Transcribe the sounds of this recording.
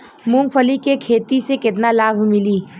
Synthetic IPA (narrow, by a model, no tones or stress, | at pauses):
mʊ̃ŋɡfʰəlikekʰeːt̪isekɪt̪nalaːbʱmɪliː